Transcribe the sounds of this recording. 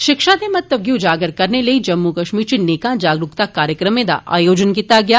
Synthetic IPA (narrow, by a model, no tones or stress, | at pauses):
ʃɪkʃad̪emɐt̪ːəʋɡiʊd͡ʒaːɡəɾkɐɾnelɐid͡ʒɐmːukɐʃmiːɾt͡ʃineːkãd͡ʒaːɡɾʊkt̪akaːɾjəkɾəmẽd̪a̰ʔa̰ːjoːd͡ʒənkiːt̪aɡɐja